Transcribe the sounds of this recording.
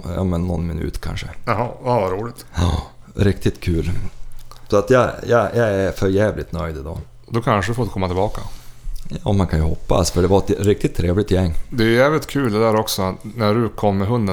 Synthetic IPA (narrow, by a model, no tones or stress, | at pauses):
jɑ̰ːmɛnːɔ̰nmɪnʉ̟̰ːt̪kʰa̰nʂəɦɑavaɾuːlɪt̪ɑɾɪkt̪ɪt̪kʰʉːl | sɔat̪jɑjɑ̰jɑɛɾfœɾjæːvlʔɪt̪nœʏd̪ɪd̪ɑ̰ | d̪ɔkʰanʂəd̪ɵfoːd̪kʰɔmːat̪ʰɪlbɑːkajɑːmankʰanjʊhɔpːa̰sfœɖɛvaɾɛt̪ɾɪk̚t̪ɪt̪ʰːɾeːvlɪt̪jɛŋːd̪ɛjɵjæːvlɪt̪kʰʉːld̪ɛd̪æːɾɔksɔat̪næɖɵkʰɔmːɛɦɵnd̪ə